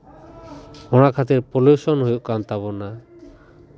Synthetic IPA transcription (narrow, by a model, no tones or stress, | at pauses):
ɔɽ̃akʰat̪iɾpɔljusɔnhujuʔkant̪aβɔna